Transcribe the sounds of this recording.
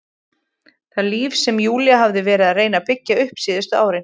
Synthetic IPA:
θaliːfsɛmjuːljaɦavðɪvɛːɾɪðaðreːjnapɪcːaʏhpsiːðɪst̪ʏaːwɾɪn

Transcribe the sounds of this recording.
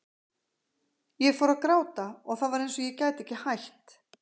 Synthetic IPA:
jɛfɔwɾaðkɾaːwt̪aɔɣθaðvaɾejnsɔjɛcaːjt̪ɛhcːɪhajht̪

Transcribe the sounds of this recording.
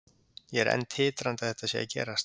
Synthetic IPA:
jɛɛɾɛ̰nːt̪hɪːt̪ɾant̪aθɛht̪asjɛ̰a̰cɛ̰ːɾast̪

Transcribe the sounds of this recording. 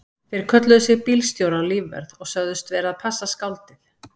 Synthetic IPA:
θɪɾɪɾ̥kʰœt̪lʏðʏsɪɣpiːlst̪jowɾawliːvvɛ̰ɾðɔɣsœɣðʏst̪vɛːɾaðpʰasːaskawlt̪ɪθ

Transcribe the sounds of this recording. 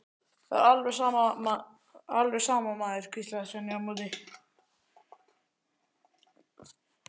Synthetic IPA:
θa̰alvɛaːmaa | alvɛɣsaːmamaːðɪɾ̥kʰist̪laðsvɛniamuðɪ

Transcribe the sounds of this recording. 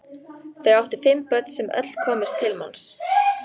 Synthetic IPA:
θeɣawht̪ʏ̥fɪmpœt̪sɛmœ̰t̪l̥kʰɔːmɪst̪ʰːɪlma̰ns

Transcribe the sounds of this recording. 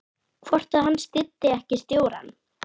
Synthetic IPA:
kʰvɔr̥t̪aðɦanːst̪ɪt̪ːɪɛhcɪst̪joːwɾa̰n

